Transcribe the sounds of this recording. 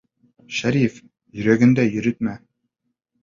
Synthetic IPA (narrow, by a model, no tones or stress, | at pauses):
ʃæɾif | jɵ̆ɾæɡɘ̆nd̪æjɵ̆ɾɘt̪̚mæ